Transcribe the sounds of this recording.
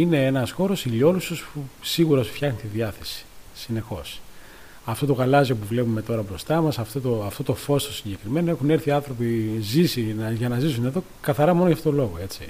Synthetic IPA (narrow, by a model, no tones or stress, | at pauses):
ine̞enɐsxo̞ɾo̞siʎo̞lususpusiɣuɾɐosfçɐxnit̪iðiɐθe̞̥si̥sine̞xo̞s | ɐft̪o̞t̪o̞ɣɐlɐziopuvle̞pume̞t̪o̞ɾɐbɾo̞st̪ɐmɐsɐft̪ot̪oɐft̪o̞t̪o̞fo̞st̪osiɲɟe̞kɾime̞noe̞xune̞ɾθiɐnθɾo̞pizisinɐʝɐnɐzisune̞ðo̞ | kɐθɐɾɐmo̞noʝɐft̪ot̪olo̞ɣoe̞t͡si